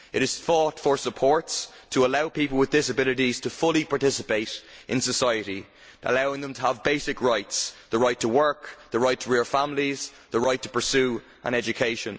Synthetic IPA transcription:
ʔɪɾɪz̥θɔtfə˞səpʰɔɹts | tʰəəlaʊpipəlˠwɪðdɪsəbɪlɨɾiz̥tʰəfʊlˠipʰɑɹtɪsəpeɪɾʔɪ̰̃nsəsaɪəɾi | ʔə̰laʊɪ̃ŋðə̃mtʰəəvbeɪsɪkɹaɪtsðəɹaɪtʰəwɜ˞kðəɹaɪtʰəɹɪɹfãmliz | ðəɹaɪtʰə̥pʰə˞sʉː | ʔə̰̃ñɛd͡ʒɨkʰeɪʃə̃n

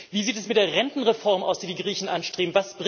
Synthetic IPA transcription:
viːziːtɛsmɪt̚d̥eːɐʁɛntn̩ʁefɔɐmʔa̰ʊsd̥iːdiːɡʁiːçn̩ʔanʃtʁ̥eːbm̩vasb̥ʁ

